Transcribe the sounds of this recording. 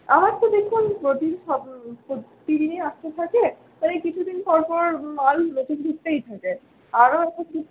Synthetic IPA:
amaɾt̪od̪ekʰunpɾoʈinʃɔbpot̪ːid̪ineaʃt̪et̪ʰake | t̪alekit͡ɕʰud̪inpɔɾpɔɾmalpɾoʈind̪ʱuk̚t̪ejt̪ʰake | aɾoɛk̚ʈau

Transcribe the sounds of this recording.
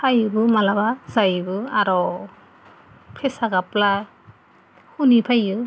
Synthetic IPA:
pʰajɯbɯmalabazajbɯaɾɔ | pʰɛsaɡapla | hunipʰajɯ

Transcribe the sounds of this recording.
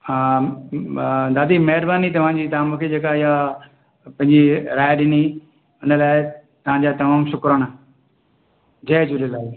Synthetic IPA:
a | d̪aːd̪iːmɐɦɪɾbaːnit̪̬ɐʋ̤ãːd͡ʑiːt̪ɐaːmũkʰed͡ʑeːkaɪja | pɐ̃ɦɪ̃ɲd͡ʑiɾaːɪɗɪni | ʊnəlaːɪt̪ɐʋ̤ãɲd͡ʑaːt̪ɐmaːmʃʊkɾəɽ̃ | d͡ʑɐːd͡ʑulelaːɪ

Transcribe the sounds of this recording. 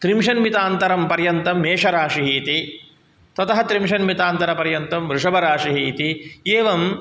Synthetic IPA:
t̪ɾimʂɐnmit̪aːnt̪ɐɾɐmpɐɾjɐnt̪ɐmːeːʂɐɾaːʂiɦiːt̪i | t̪ɐt̪ɐɦɐt̪ɾimʂɐnmit̪aːnt̪ɐɾɐpɐɾjɐnt̪ɐmʋɾuʂɐbɐɾaːʂiɦiːt̪ieːʋɐm

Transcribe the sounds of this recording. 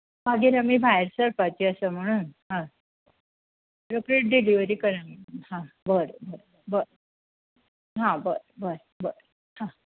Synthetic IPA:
maɡiːɾamiːbʱajɾsəɾpat͡ɕiəsəm̤əɽ̃uːnɦã | ɾokɾeʈ̚ɖeliʋəɾiːkəɾam̤əɽuːnɦãbəɾbəɾ | bəɾ | ɦãbəɾbəɾ | bəɾ | hã

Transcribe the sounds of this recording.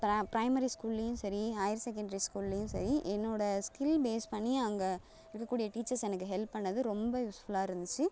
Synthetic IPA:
pɐpɾɐɪmɐɾiskuːlːejʊ̃sɐɾihɐjɐɾsɛk̬ːɛɳɖɐɾiskuːllejʊ̃sɐ̰ɾiʔɛnːoːɽɐskɪlbeːspɐɳːiɐŋɡɐ | ɪɾɯkːɐkːuːɽɪjɐʈiːt͡ʃːɐɾsɛnɐkːɯɦɛlpːɐɳːɐðɯɾɔmbɐjusfʊlaːɪɾɯnd̪ɯt͡ʃːɯ

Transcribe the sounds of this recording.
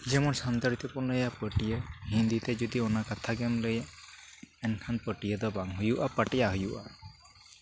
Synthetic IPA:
d͡ʒɛmɔnsant̪aɾit̪ɔpɔnləjapəʈijəɦind̪it̪ɛd͡ʒud̪ionakat̪ʰaɡɛmləja | ɛnkʰanpəʈijəd̪ɔbaŋɦujuʔapaʈijaɦujuʔa

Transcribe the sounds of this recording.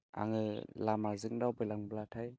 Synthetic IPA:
a̰ŋɯlamazɯŋdawbɯjlaŋblatʰaj

